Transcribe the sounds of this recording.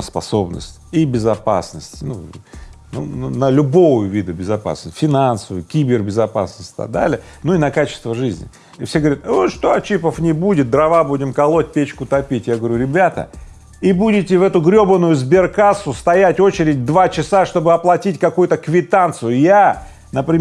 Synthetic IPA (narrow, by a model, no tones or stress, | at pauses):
spɐ̰so̞bnə̰sʲtʲibʲɪzɐpa̰snəsʲtʲnu | nṵnənəlʲʊbo̞vjʊvʲid̪ʊbʲɪzɐpa̰snəsʲfʲɪnansəvʊjkʲibʲɪrbʲɪzɐpa̰snəsʲtʲt̪a̰d̪a̰lʲɪ | nuinɐkat͡ɕɪ̥st̪vəʐɨzʲnʲɪ̰ | ɪfsʲeɡəvɐɾʲat̪vot̪ʂt̪oɐt͡ɕipəfnʲɪbudʲɪt̪̚d̪ɾɐvabudʲɪmkɐlˠot̚ʲpʲet͡ɕkʊt̪ɐpʲitʲjaɡəvəɾʲuɾʲɪbʲat̪ə̰ | ibudʲɪtʲɪvɛt̪ʊɡɾʲo̞bənʊjʊzbʲɪrkasʊst̪ɐjætʲo̞t͡ɕɪɾʲɪdʲd̪vat͡ɕɪsaʂt̪o̞bɨɐplˠɐtʲitʲkɐkujʊt̪əkvʲɪt̪ant̪sɨjʊja | nəpɾʲɪ